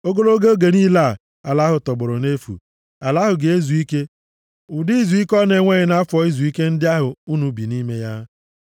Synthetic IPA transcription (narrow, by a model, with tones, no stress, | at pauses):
o˦ɡo˦lo˦ɡe˦o˦ɡe˨ni˦la˦˨ | a˨la˦ɦʊ˨tɔ˨ɡ͡bʊ˨ɾʊ˨ne˦fṵ˨ | a˨la˦ɦʊ˨ɡe˨e˦zu˨i˦ke˦ | ʊ˨di˦zu˨i˦kɔ˦ne˨˦ŋʷe˦ɲɪ˨na˦a˦fɔ˨˦i˦zu˨i˦ke˦n̩˦dɪ˦a˦ɦʊ˨u˦nu˨bi˨ni˦me˦ja˦